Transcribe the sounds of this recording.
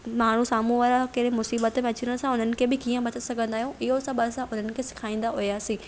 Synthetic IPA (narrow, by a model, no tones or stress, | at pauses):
maːɳ̤usaːmũʋaːɾakɐɗmʊsiːbət̪mẽɐt͡ɕiɾə̃ɽ̃sãʊn̤ənɪ̆kʰeːbɪkiːə̃bɐt̪əsɐɡʱə̃nd̪aːɦijũʔɪɦosɐbəsãʔʊn̤ənɪ̆kʰeːsɪ̥kʰaːĩːn̆d̪aɦʊijaːsiː